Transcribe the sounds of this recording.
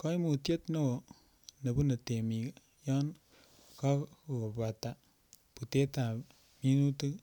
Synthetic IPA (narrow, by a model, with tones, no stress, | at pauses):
kɔ˦i˦mu˨te˦tno˦o˨ | nɐ˨bu˦nɐ˨te˨mi˨ | jɔ˦n | ka˦ku˨o˨ba˨ta˨ | pu˨te˦ta˨ | mi˦nu˦tɨ˦